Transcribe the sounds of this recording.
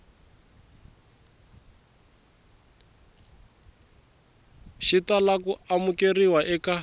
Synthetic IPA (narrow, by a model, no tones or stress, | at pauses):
ʃitalakuamukeriwaʔɛka